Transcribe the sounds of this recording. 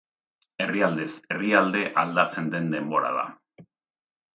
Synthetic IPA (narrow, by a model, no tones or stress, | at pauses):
e̞riald̪e̞se̞riald̪e̞ʔald̪at͡se̞nd̪e̞nd̪e̞mbo̞ɾa̰ða̰